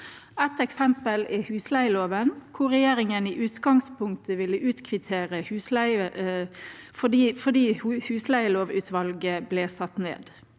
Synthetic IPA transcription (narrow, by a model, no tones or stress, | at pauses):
ɛt̪ɛksɛmpəlɪhʉːslæɪloːʋənkʰʊʁɛjeːʁɪŋəniːʔʉːt̪ɡɑŋspʊŋkt̪əʋɪlːəʔʉːt̪kʰʋɪt̪ʰeːʁəhʉːslæɪə | fɔd̪iːfɔd̪iːhhʉːslæɪloːʋʉːt̪ʰʋɑlɡəblɛːsɑt̪ːnḛːd̪